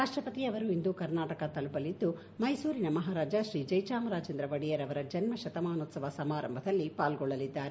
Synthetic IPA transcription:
ɾaːʂʈɾɐpɐt̪iɐʋɐɾuind̪ukɐɾnaːʈɐkɐt̪ɐlupɐlid̪ːu | mɐjsuːɾinɐmɐɦaːɾaːd͡ʒɐʃɾiːd͡ʒɐjt͡ʃaːmɾaːd͡ʒɐnd̪ɾɐʋɐɽijɐɾɐʋɐɾɐd͡ʒɐnmɐʃɐt̪ɐmaːnoːt̪sɐʋɐsɐmaːɾɐ̰mbʱɐd̪ɐlːipaːlɡɔɭːɐlid̪ːaːɾe

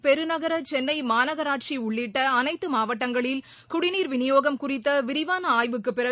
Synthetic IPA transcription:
pɛɾɯnɐɣɐɾɐt͡ʃɛnːɐɪmaːnɐɣɐɾaːʈʂiʊɭːɪʈːɐːnɐɪt̪ːɯmaːʋɐʈːɐŋɡɐɭɪl | kʊɽɪniːɾʋɪnɪjoːɣɐmkʊrɪt̪ːɐʋɪɾɪʋaːnɐaːjʋɯkːɯpːɪɾɐ

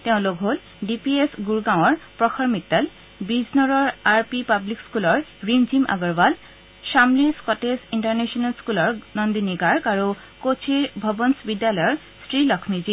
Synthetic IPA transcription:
t̪eʊ̃lokɦol | ɖipiesɡuɹɡãw̃ɔɹpɹɔxʰɔɹmit̪ːal | biznɔɹɔɹaɹpipablikskulɔɹɹimd͡ʑimʔa̰ɡɔɹbal | ʃamliskɔtesiɳʈaɹnesɔnalskulɔɹnɔnd̪iniɡaɹkaɹu | kot͡ɕʰiɹbʱɔbɔnsbid̪ːalɔjɔɹ | sɹilɔkʰmid͡ʑi

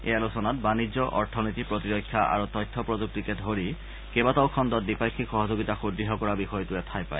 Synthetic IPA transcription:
ḛjalusɔnat̚banizɔʔɔɹtʰɔnitipɹɔtiɹɔkʰːjaʔa̰ɹutɔjtʰːɔpɹɔzuk̚tikɛdʱɦoɹi | kebatawkʰɔndɔt̚dipajkʰːikxɔɦɔzoɡitaxudɹiɦɔkɔɹabixɔjtuɛtʰajpa̰j

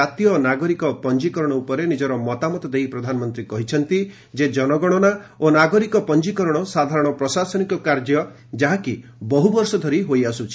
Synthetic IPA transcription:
at̪ijɔnaɡɔɾikɔpɔnd͡ʒikɔɾɔɽ̃ɔupɔɾenid͡ʒɔɾɔmɔt̪amɔt̪ɔd̪ejpɾɔd̪ʱanɔmɔnt̪ɾikɔɦit͡ʃʰɔnt̪i | d͡ʒed͡ʒɔnɔɡɔɽ̃ɔnaonaɡɔɾikɔpɔnd͡ʒikɔɾɔɽ̃ɔsad̪ʱaɾɔɽ̃ɔpɾɔsasɔnikɔkaɾd͡ʒjɔ | d͡ʒaɦakibɔɦubɔɾsɔd̪ʱɔɾiɦojasut͡ʃʰi̥

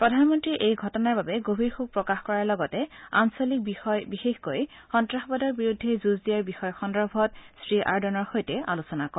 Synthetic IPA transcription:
pɹɔdʱanmɔntɹiʔejɡʱɔtɔnaɹbabɛɡobʱiɹxuɡ̚pɹɔkaxkɔɹaɹlɔɡɔtɛa̰nsolik̚ibixexkojxɔntɹaxbɔdɔɹbiɹudʱːɛzuzdijaɹbixɔjxɔndɹɔbʱɔtsɹiʔaɹdɔnɔɹxojtɛa̰lusɔnakɔ

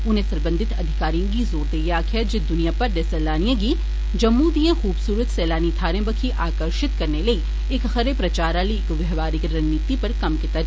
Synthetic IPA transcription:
ʊnɦẽsɐ̃ɾbə̃nd̪ʱɪt̪ɐd̪ʱɪkaːɾijõɡizoːt̪ejaːkʰijəd͡ʒɪd̪ʊnijapɐɾɖ̪esɛːlaːnijãɡi | d͡ʒɐmːud̪ijẽxuːbsuːɾət̪sɛːlaːnit̪ʰaːɾẽbəkʰiʔaːkəɾʃɪt̪kɐɾnelɐi | eːkxɐɾepɾɐt͡ʃaːɾaːlikʋɛɦʋaːɾɪkɾɐnːiːt̪ipɐɾkɐmkɪt̪a

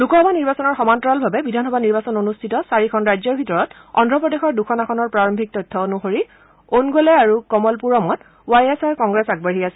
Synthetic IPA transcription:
lukɔɦɔbʱaniɹbasɔnɔɹxɔmantɔɹalbʱabɛbidʱanxɔbʱaniɹbasɔnonustʰitɔsaɹikʰɔnɹajzɔɹbʱitɔɹɔt | ɔ̰ndʱɹɔpɹɔdexɔɹdukʰɔnaxʰɔnɔɹpɹaɹɔmbʱik̚tɔtʰːɔonuxoɹi | onɡolɛaɹukɔmɔlpuɹɔmɔt | wajɛsaɹkɔŋɡɹɛsaɡ̚baɦiasɛ

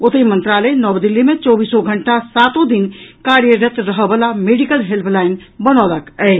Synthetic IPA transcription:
ot̪əimə̃nt̪ɾaləjnɔbd̪ilːimẽt͡ʃɔbiːsoɡʱəɳʈasat̪ũd̪inkaɾjəɾət̪ɾəɦəbəlameɖikəlɦelpʰlaɪnbənɔləkɛɪ

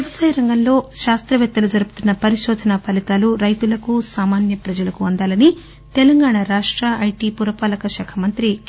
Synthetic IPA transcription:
ʋɐsaːjɐɾɐŋɡɐnlo̞ːʃaːst̪ɾɐʋjɛt̪ːɐlud͡ʒɐɾubut̪unːɐpɐɾiʃɔːd̪ʱɐnɐpɐlit̪aːluɾɐjt̪ulɐkusaːmaːnjɐpɾɐd͡ʒɐlɐkuɐnd̪aːlɐni | t̪ɛlɐŋɡaːɳaɾaːʂʈɾɐɐjʈipuɾɐpaːlɐkɐʃɐkʰɐmɐnt̪ɾi

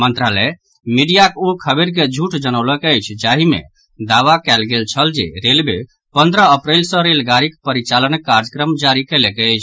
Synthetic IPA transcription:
mənt̪ɾalɛ | miɖijakukʰəbeɾk̬ed͡ʒʱuʈʰd͡ʒənəʊləkəjt͡ʃʰd͡ʒaɦimḛ | d̪aʋakɛlɡelt͡ʃʰəld͡ʒḛɾelbe | pənd̪ɾəəpɾelsə̃ɾelɡaɾikpəɾit͡ʃalənkːaɾd͡ʒəkɾəmd͡ʒaɾikelekəjt͡ʃʰ

